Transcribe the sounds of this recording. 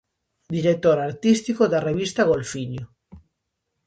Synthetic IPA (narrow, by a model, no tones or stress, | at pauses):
d̪iɾek̚t̪oɾaɾt̪ist̪ikoðareβ̞ist̪aɣ̞olfiɲo